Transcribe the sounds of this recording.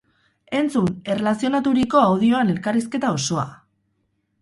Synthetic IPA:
e̞nt͡sune̞re̞lasio̞nat̪uɾiko̞awð̞io̞ane̞lkariske̞t̪ao̞so̞a̰

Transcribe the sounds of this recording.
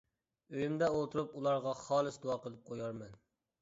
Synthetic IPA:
øjymd̪ɛolˠt̪ʰuɾupulˠɑɾʁɑχɑːlˠɨsd̪oɑqəlˠɨp̚qʰojɑɾmɛn

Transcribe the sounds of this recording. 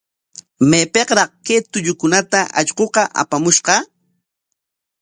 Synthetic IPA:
mepeqɾɑχket̪ʊʎʊkʊnat̪aʔaʎqoqɑʔa̰pamʊʃqɑ

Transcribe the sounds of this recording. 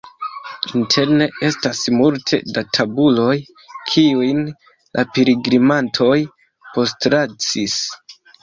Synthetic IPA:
intʰe̞ɾne̞e̞stasmultʰe̞̰datʰabulo̞j | kʰiujn | lʔapeɾiɡɾimantʰo̞j | po̞stɾat͡sis

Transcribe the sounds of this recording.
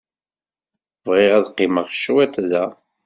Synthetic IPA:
vʁɪʁæðqːɪməʁʃːwæt̪ðæ

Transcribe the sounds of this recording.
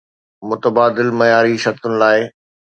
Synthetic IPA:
mʊt̪əbaːd̪ɪlmɐjaːɾiʃɐɾt̪ʊnɪ̆laːɪ

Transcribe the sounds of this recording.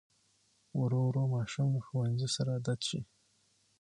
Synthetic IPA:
wɾowɾomɑʃuməxowanzisaɾad̪at̪ʃi

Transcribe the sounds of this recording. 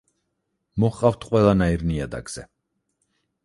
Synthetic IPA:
mɔχqʼaft̪ʰqʼwɛlˠanaiɾniad̪a̰ɡz̥ɛ

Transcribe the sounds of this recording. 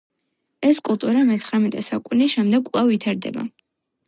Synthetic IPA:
ɛskʼulˠt̪ʼuɾamɛt̪sʰχɾamɛt̪ʼɛsakʼuniʃɛmd̪ɛɡ̚kʼlˠavit̪ʰaɾd̪ɛ̰ba̰

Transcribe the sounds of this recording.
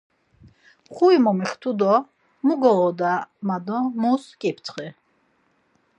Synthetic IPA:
χuimɔmiχt̪ʰud̪ɔ | muɡɔʁɔd̪amad̪ɔmuskʼipʰt̪ʰχɛ

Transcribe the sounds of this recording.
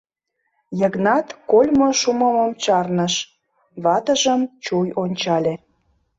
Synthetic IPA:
jə̆ɣnɑt̪kolʲmoʃuməmomt͡ɕɑrnəʃ | βɑt̪əʒəmt͡ɕujonʲt͡ɕɑlʲe

